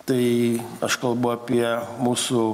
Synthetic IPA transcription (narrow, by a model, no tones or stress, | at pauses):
t̪ɐɪɐʃkɐlˠbɐʊɐːpʲiɛmuːsʊ